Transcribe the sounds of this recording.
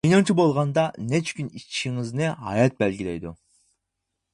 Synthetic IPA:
ijnɨŋt͡ʃʰibolˠʁɑnd̪ɑnɛt͡ʃʰkʲynit͡ʃʃiŋɪznɪhɑ̰jɑt̪̚bɛlɡʲilɛjd̪u

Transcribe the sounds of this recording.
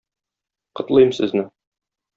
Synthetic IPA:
qɤ̆t̪lˠɤjmsɘ̰̆znɘ

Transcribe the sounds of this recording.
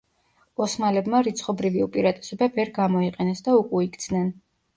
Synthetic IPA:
ɔsmalɛbmaɾit̪sʰχɔbɾiviupʼiɾat̪ʼɛ̥sɔbavɛɾɡamɔiqʼɛnɛsd̪aukʼuikʼt̪sʰnɛn

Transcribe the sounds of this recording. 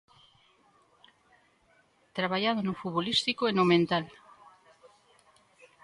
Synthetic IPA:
t̪ɾaβaʎaðonofuβolist̪ikoenomẽnt̪al

